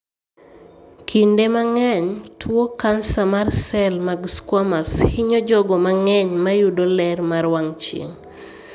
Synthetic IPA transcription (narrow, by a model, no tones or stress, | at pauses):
kʰindemaŋɛɲtʰwokansamarsɛlmaɡskwamashiɲɔd͡ʒɔɡɔmaŋɛɲmajudolɛrmaɾwaŋt͡ʃḛŋ